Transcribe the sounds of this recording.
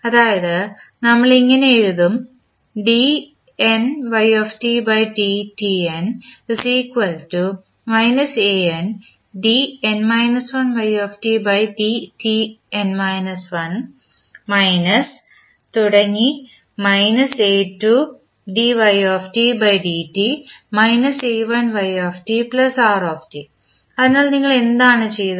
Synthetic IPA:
ɐðaːjɐðɨnɐmːɐɭiŋːɐneiɻuðum | ɖi | enʋɐjoːfʈibɐjʈitienisiːkʋɐltu | mɐjnɐseen | ɖienmɐjnɐsʋɐnʋɐjoːfʈibɐjʈitienmɐjnɐsʋɐn | mɐjnɐs | t̪uɽɐŋːi | mɐjnɐseːʈːu | ɖiʋɐjoːfʈibɐjɖiːʈimɐjnɐseːʋɐnʋɐjoːfʈiplɐsaːroːfʈi | ɐðɨnːaːɭniŋːɐɭe̞nd̪aːɳɨt͡ɕe̞j̪ɐ

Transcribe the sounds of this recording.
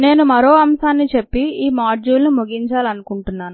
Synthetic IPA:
ne̞ːnumɐɾo̞ːɐmsaːnːit͡ʃe̞pːiiːmaːd͡ʒuːlnimuɡiɲt͡ʃaːlɐnukuɳʈunːaːnu

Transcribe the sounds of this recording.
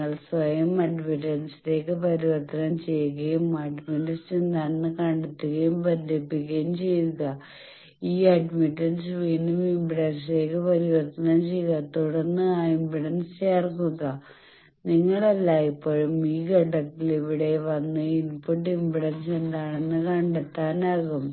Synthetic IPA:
ɐɭsʋɐjɐmɐɖmiʈːɐnsɨ̥le̞ːkːɨpɐɾiʋɐrt̪ːɐnɐmt͡ɕe̞jːuɣɐjumɐɖmiʈːɐnsend̪aːnːɨkɐɳɖut̪ːuɣɐjumpɐnʱepːiɣːɐjumt͡ɕe̞juɣɐ | iːɐɖmiʈːɐnsʋiːnumimbiɽɐns̬le̞ːkːɨpɐɾiʋɐrt̪ɐnɐmt͡ɕe̞jːuɣɐt̪uɽɐnːɨaːimbiɽɐnst͡ɕeːrkuɣɐ | niŋːɐɭɐlːaːipːoːɻumiːɡɐʈːɐk̪ːiliʋiɽe̞ʋɐnːɨilpuʈːimbiɽɐnsend̪aːɳenːɨkɐɳɖet̪ːaːnaːɣum

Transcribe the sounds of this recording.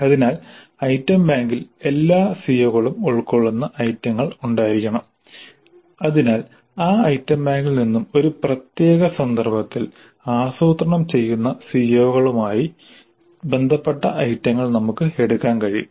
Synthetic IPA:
ɐðinaːl | ɐjtːɐmbaːŋɡile̞lːaːsijoːɣɐɭumuɭkoɭːunːɐʔɐjtːɐŋːɐɭuɳɖaːjiɾikʲːɐɳɐm | ɐðinaːl | aːɐjtːɐmbaːŋɡilninːumo̞ɾuprɐt̪je̞ːɣɐsɐnd̪ɐrbɐt̪ːil | aːsoːt̪rɐɳɐmt͡ɕe̞jːunːɐsijoːɣɐɭumaːji | be̞nd̪ʱɐpːe̞ʈːɐʔɐjtːɐŋːɐɭnɐmukːɨeɽukːaːnkɐɻijṵ

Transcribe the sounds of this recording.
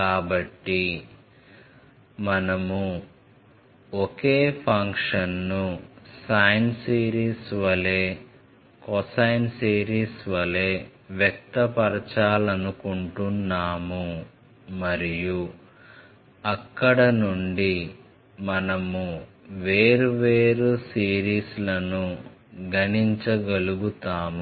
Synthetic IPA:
kaːbɐʈːi | mɐnɐmu | okeːpʰɐŋkʂɐnːusajnsiːɾiːsʋɐle̞ː | kɔsɐjnsiːɾiːsʋɐle̞ːʋjɐk̚t̪ɐpɐɾɐt͡ʃaːlɐnukuɳʈunːaːmu | mɐɾiju | ɐkːɐɽɐnuɳɖi | mɐnɐmu | ʋe̞ːɾuʋeːɾusiːɾiːslɐnuɡɐniɲt͡ʃɐɡɐluɡut̪aːmu

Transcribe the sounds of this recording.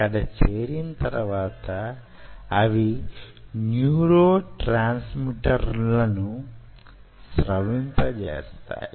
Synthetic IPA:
kɐd̪ɐt͡ʃeːɾinɐt̪ɐɾɐʋaːt̪ɐː | ʋi | njuːɾoːʈɾaːnsmiʈɐɾlɐnu | sɾɐʋint̪ɐt͡ʃḛːst̪a̰ːji

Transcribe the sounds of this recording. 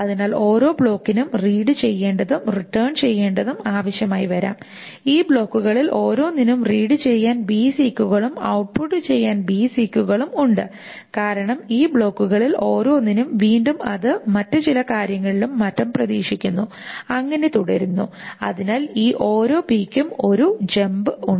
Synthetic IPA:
ɐðinaːlo̞ːɾo̞ːbɭo̞ːkːinumriːɽɨt͡ɕe̞jːe̞ːɳɖɐðumriʈːɐːɳt͡ɕe̞jːe̞ːɳɖɐðumaːʋɐɕjɐmaːjiʋɐɾa̰ːm | iːbɭo̞ːkːuɣɐɭilʔo̞ːɾo̞ːninumriːɽɨt͡ɕe̞jːaːnbiːsiːkʲːuɣɐɭumɐ̰wʈ̚puʈːɨt͡ɕe̞jːaːnbiːsiːkʲːuɣɐɭumuɳɖɨ | kaːɾɐɳɐmiːbɭo̞ːkːuɣɐɭilo̞ːɾo̞ːninumʋiːɳɖumɐ̰ðɨmɐtːɨt͡ɕilɐkaːɾjɐŋːɐɭilumːɐtːɐmprɐðḭːʂikʲːunːu | ɐŋːɐne̞t̪uɽeɾunːṵɐ̰ðinaːliːʔo̞ːɾo̞ːpiːkʲːumo̞ɾud͡ʑembɨuɳɖ

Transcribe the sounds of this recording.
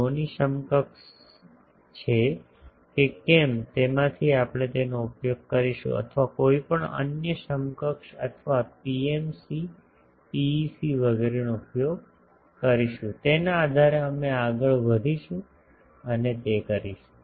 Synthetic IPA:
oniʃəmkəkʃ | t͡ʃʰe | kekemt̪emãt̪ʰiapɽ̃et̪enoupjoɡ̚kəɾiʃṵ̃ə̰t̪ʰʋakoipəɳə̰njəʃəmkəkʃə̰t̪ʰʋapiemsi | pisiʋəɡeɾenoupjoɡ̚ | kəɾiʃũt̪enãːd̪ʱaɾeəmeaɡəɭʋəd̪ʱiʃũ | ənet̪ekəɾiʃũ̥

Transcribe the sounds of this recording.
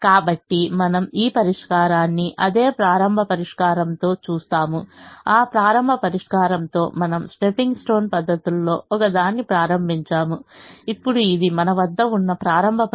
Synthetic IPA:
kaːbɐʈːimɐnɐmiːpɐɾiʂkaːɾaːnːiʔɐd̪e̞ːpɾaːɾɐmbʱɐpɐɾiʂkaːɾɐnt̪o̞ːt͡ʃuːst̪aːmuaːpɾaːɾɐmbʱɐpɐɾiʂkaːɾɐnt̪o̞ːmɐnɐmsʈepiŋɡsʈo̞ːnpɐd̪ʱːɐt̪ulːo̞ːɔkɐd̪aːnːipɾaːɾɐmbʱiɲt͡ʃaːmuipːuɽuid̪imɐnɐʋɐd̪ːɐunːɐpɾaːɾɐmbʱɐp

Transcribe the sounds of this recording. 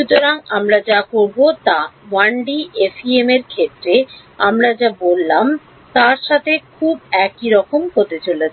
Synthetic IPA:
ʃut̪oɾaŋamɾad͡ʑakoɾbot̪awaɳɖiefʰiemeɾkʰet̪ːɾe | amɾad͡ʑabolːam | t̪aɾʃat̪ʰekʰubɛkiɾɔkomɦot̪et͡ɕolet͡ɕʰ

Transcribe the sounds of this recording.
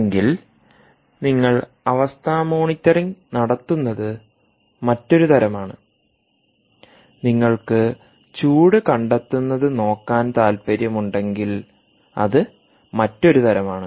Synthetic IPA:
ŋɡil | niŋːɐɭ | ɐʋɐst̪ʰaːmoːɳit̪ʲːɐriŋnɐɽɐt̪ːunːɐðɨ | mɐtːo̞ɾut̪ɐɾɐmaːɳɨ | niŋːɐɭkɨ | t͡ɕuːɽɨkɐɳɖɐt̪ːunːɐðɨno̞ːkːaːnt̪aːlpɐɾjɐmuɳɖe̞ŋɡil | ɐ̰ðɨ | mɐtːo̞ɾut̪ɐɾɐmaːɳɨ

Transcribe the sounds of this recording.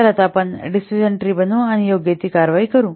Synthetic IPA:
ɐɾɐt̪aːpɐnɖisid͡ʒɐɳʈɾiːbɐnuɐnijoːɡjet̪ikaːɾʋaːjikɐɾu

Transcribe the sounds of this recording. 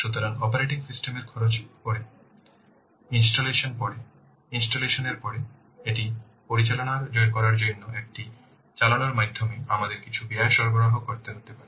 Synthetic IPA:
ʃut̪oɾanɔpoɾeʈiksisʈemeɾkʰɔɾot͡ɕkoɾe | insʈoleʃonpɔɾe | insʈoleʃoneɾpɔɾe | eʈi | poɾit͡ɕalonaɾd͡ʑɔek̬ɔɾaɾd͡ʑonːoek̚ʈi | t͡ɕalonaɾmajd̪ʱːomiamad̪eɾkit͡ɕʰubiaeʃɔɾboɾaɦokoɾt̪eɦot̪epaɾe

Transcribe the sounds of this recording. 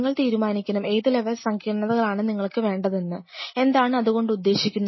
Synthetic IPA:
ŋːɐɭt̪iːɾumaːnikʲːɐnɐme̞jðɨleʋɐlsɐŋkʰiːɐɳɐðɐɣɐɭaːɳɨniŋːɐɭkːɨʋe̞ːɳɖɐðenːɨe̞nd̪aːɳɨɐðuɣo̞ɳɖɨud̪ːe̞ːɕikʲːunːɐ

